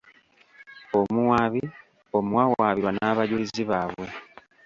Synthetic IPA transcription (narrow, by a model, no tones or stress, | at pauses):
omuai | omwawaːβiɾwanaβaɟuliziβaːβwe̞